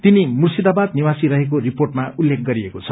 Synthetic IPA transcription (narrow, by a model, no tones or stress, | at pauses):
t̪inimursid̪abad̪niwasiɾʌɦek̬oriporʈmaulːek̚ʰɡʌɾiekot͡sʰʌ